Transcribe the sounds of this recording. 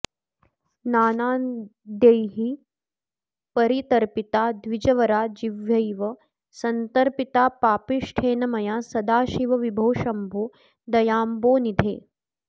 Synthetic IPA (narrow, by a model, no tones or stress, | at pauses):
naːnaːnd̪ejɦi | pɐɾit̪ɐɾpit̪aːd̪ʋid͡ʒɐʋɐɾaːd͡ʒiʋjɐjʋɐ | sɐnt̪ɐɾpit̪aːpaːpiʂʈʰeːnɐmɐjaːsɐd̪aːʃiʋɐʋibʱoːʃɐmbʱoː | d̪ɐjaːmboːnid̪ʱḛː